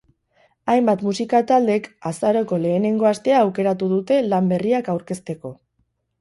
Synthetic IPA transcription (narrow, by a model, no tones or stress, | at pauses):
ajmbat̪musikat̪ald̪e̞kasaɾo̞ko̞le̞ːne̞ŋɡo̞ast̪e̞aːwke̞ɾat̪uðut̪e̞lambe̞riakawɾke̞st̪e̞ko̞